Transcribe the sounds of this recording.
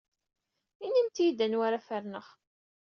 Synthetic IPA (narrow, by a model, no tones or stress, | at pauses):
inːimt̪ijid̪ænwaɾafəɾnəχ